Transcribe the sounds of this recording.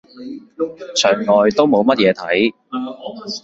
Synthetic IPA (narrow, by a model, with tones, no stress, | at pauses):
t͡ʃʰœː˨˩ŋlɔː˨˩jt̪o˥wmo˨˧wmɐ˥t̚jɛː˨˧t̪ʰɐ˨˥j